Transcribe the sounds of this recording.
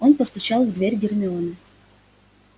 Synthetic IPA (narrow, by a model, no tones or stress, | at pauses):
o̞npəst̪ʊt͡ɕalˠvd̪vʲeɾʲɡʲɪrmʲɪonə